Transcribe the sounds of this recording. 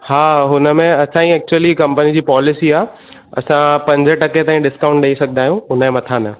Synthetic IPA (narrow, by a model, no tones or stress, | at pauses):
haːɦʊnə̆mẽɐsãĩɛːk̚t͡ɕuəlikɐ̃mpənid͡ʑiːpɔːlɪsiaː | ɐ̰sãpɐ̃ɲd͡ʑəʈɐket̪ãːĩɗɪskaːʊ̃ɳʈɗɐisɐɡʱənaːijũʊnəmẽmɐt̪ʰaːnə